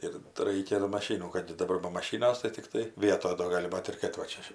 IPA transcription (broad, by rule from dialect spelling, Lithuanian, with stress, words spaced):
ˈɪr tɐɪ ˈrɐɪkʲɛ doː mɐˈʃʲiːnuː kɐt dɐˈbɐr bɐ mɐˈʃʲiːnɐs tɐɪ tʲɪkˈtɐɪ ˈʋʲiɛtoːj doː ˈɡɑːlʲɪ ˈbɐt ɪr kɐt ʋɐ ˈt͡ʃʲɛ